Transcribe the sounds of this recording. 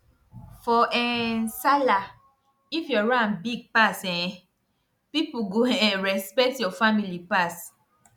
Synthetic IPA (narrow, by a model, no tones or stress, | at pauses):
fɔʔɛnsala | ifjɔɹãnbiɡ̚pasɛ̃ɛ̃ | pipuɡoɛ̃ɹɛspɛk̚tjɔfamilipas